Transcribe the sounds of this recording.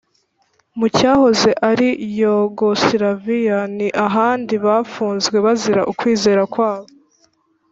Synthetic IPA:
mucaːho̞zeʔaɾijoɡosiɾavijaniʔaɦaːndiβaːfuːnzɡwe̞βaziɾa̰ʔukwiːze̞ːɾakwaːβo

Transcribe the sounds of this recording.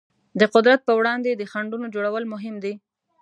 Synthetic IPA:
d̪əqʊd̪ɾat̪̚pəwɽɑnd̪ed̪əxaɳɖunod͡ʒoɽawəlmʊɦɪmd̪i

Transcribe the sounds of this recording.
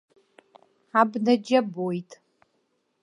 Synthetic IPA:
abnad͡ʒabojtʼ

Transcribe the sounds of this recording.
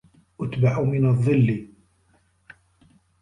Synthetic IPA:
ʔat̪baʕumɪnaðˤːɨlːi

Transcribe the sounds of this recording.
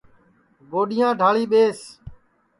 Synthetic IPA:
boːɗɪjãːɖʱaːɭiːɓeːs

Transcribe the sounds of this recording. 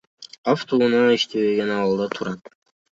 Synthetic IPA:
ɑft̪ʰuunɑiʃt̪ʰeβeɡenɑwɑlˠd̪ɑt̪ʰuɾɑt̪

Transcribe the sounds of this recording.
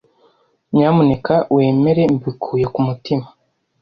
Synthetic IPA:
mɲaːmune̞kawe̞ːme̞ɾe̞mbikʰuːjekumutimḁ

